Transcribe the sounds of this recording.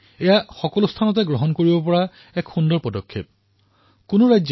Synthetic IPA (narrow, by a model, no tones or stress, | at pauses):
ejaxɔkɔlost̪ʰanɔtɛɡɹoɦɔnkoɹibɔpɔɹa | ɛkxundɔɹpɔdɔkʰːep̚ | kʊnoɹajz